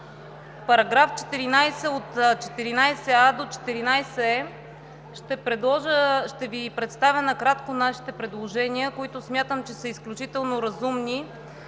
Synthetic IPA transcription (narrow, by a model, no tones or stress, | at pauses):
pɐɾɐɡɾaft͡ʃɛ̥t̪iɾinajsɛot̪t͡ʃɛ̥t̪iɾinajsɛad̪ot͡ʃɛ̥t̪iɾinajsɛɛ | ʃt̪ɛpɾɛd̪ɔʒəʃt̪ɛvipɾɛt̪st̪avʲənɐkɾat̪konaʃi̥t̪ɛpɾɛd̪lˠoʒɛniəkoit̪ʊsmʲjat̪əmt͡ʃɛsəisklʲut͡ʃit̪ɛlˠnoɾɐzumni